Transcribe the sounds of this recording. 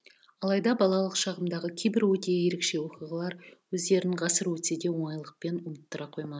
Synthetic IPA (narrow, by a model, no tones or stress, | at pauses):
ɑlˠɑjd̪ɑbɑlˠɑlˠəqʃɑʁəmd̪ɑʁəkʲʰejbɪɾwɵt̪eje̞ɾekʃe̞woqiʁəlˠɑɾwɵzd̪e̞ɾnɪɴʁɑsəɾwɵt̪sed̪e̞wo̞ɴɑjlˠəq̚pe̞nʊmət̪ːəɾɑqʰo̞jmɑ